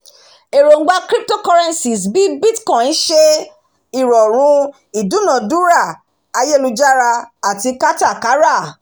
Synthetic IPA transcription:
e˨ɾo˨˦ɡ͡ba˧kɾi˦p̚to˦kɔ˧ɾɛ˧nsi˨sbi˨˦bi˦tkɔ̃˨ĩ˨˦ʃe˦ | i˦˨ɾɔ˨ɾ̃ũ˨˧˦ | i˨dũ˨˦nã˨du˦ɾa˦˨ | a˧je˦˨lũ˧d͡ʒa˦ɾa˧a˨ti˧ka˦ta˦˨ka˨˦ɾa˦˨

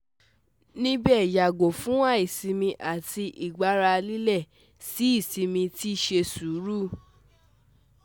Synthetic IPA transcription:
nĩ˦bɛ˦˨ja˨ɡo˨fũ˦wa˦i˨sĩ˧mĩ˧ʔa˨ti˧ʔi˨ɡ͡ba˨˦ɾa˧li˦lɛ˦˨ | si˨˦i˦˨sĩ˨˧mĩ˧ti˦˨ʃe˧su˨˦ɾu˦˨

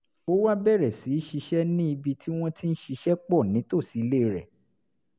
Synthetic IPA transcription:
o˦wa˦bɛ˦˨ɾɛ˨si˨˦ʃi˧ʃɛ˦nĩ˦i˧bi˧tʰi˦w̃ɔ̃˦ti˦n̩˦ʃi˧ʃɛ˦k͡pɔ˦˨nĩ˨˦to˦˨si˨˧˦le˦˨ɾɛ̰˨

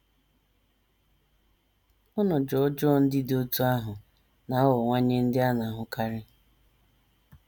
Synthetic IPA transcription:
ʊ˦nʊ˨d͡ʒɔ˨˦d͡ʒɔ˦n̩˦dɪ˦do˦tu˦a˦ɦʊ˨ | na˨˦wɔ˨ŋʷa˦ɲe˦n̩˦dɪ˦a˦na˨ɦʊ˨ka˦ɾɪ˦

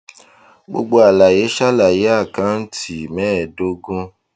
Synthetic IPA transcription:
ɡ͡bo̰˧ɡ͡bo˧a˨la˨je˨˦ʃa˦la˨je˨˦a˦˨kã˨˦n̩˦tʰi˨mɛ̃ː˦˨do˨˦ɡõ˦

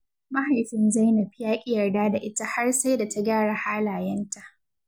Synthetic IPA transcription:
ma˦ha˨jtɪ˦nza˦jnɐ˨ɸɪ˦jaː˦kʲʼɪ˦jɐ˨rdaː˦da˨ʔɪ˦ta˦ha˦rsa˦jda˨tʰa˦ɡaː˦ɽa˨haː˦laː˨jɐ˦nta˨ʔ

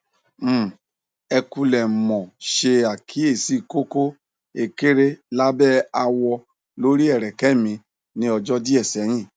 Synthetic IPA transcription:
m̩˦ | ɛ˧ku˧lɛ˨mɔ̃˨ʃe˧a˨kʰi˨˦e˦˨si˦˨ko˦ko˦ | e˧˨ke˦ɾe˦la˦bɛ˦a˧wɔ˧ | lo˦ɾi˦ɛ˦˨ɾɛ˨kɛ˨˦mĩ˧ | nĩ˧ɔ˧d͡ʒɔ˦di˦ɛ˦˨sɛ˨˦ɾ̃ĩ˦˨

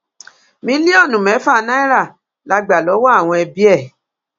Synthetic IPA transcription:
mĩ˨˦li˦ɔ˦˨nũ˨mɛ̃˨˦fa˦˨˧nã˦i˦ɾa˦˨ | la˧ɡ͡ba˨lɔ˨˦wɔ˦a˦˨w̃ɔ̃˧ɛ˧bi˦ɛ˦˨

